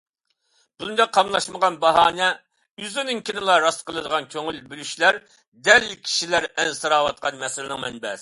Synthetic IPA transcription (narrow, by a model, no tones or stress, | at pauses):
b̥und̪ɑqʰːɑmlˠɑʃməʁɑnbɑɦɑːnɛ | yzynɨŋkʲʰinɪlˠɑɾɑst̪qʰəlˠɨd̪əʁɑnkʲʰøŋylbylyʃlæɾ | d̪ɛlːɪkʲʰi̥ʃilæɾɛnsɨɾɑːwɑt̪̚qʰɑnmɛsɪlɪnɪŋmɛnbɛs